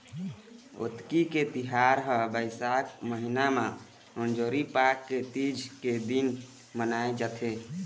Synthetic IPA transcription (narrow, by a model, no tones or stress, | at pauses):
o̰t̪kiket̪iɦaɾɦəbəɪsakməɦinamã | ənd͡ʒoːɾipakːet̪id͡ʒʱked̪in | mənaed͡ʒət̪ʰe